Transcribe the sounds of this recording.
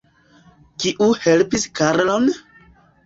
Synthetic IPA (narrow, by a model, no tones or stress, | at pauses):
kiʔuhelpiskaɾlon